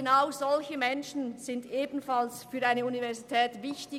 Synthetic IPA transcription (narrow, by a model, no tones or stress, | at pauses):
naʊzɔlçəmɛnʃn̩z̥ɪndʔeːbn̩falsfyːɐʔaɪnəunivɛʁzitʰɛːtvɪçtɪ